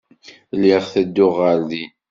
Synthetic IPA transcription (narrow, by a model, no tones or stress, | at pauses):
liʁθæd̪ːʊʁəɾði